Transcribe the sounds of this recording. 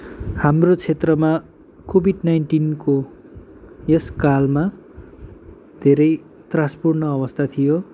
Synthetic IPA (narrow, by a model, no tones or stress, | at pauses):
hamrot͡sʰet̪rʌma | kobʱiɖnajnʈinko | jʌskalma | d̪ʱeɾʌj | t̪rãspurnʌʌbʌst̪ʰat̪ʰijo